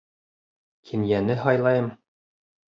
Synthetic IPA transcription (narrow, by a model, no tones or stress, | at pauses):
kʰinjænɘɦɒjlˠɑjɤm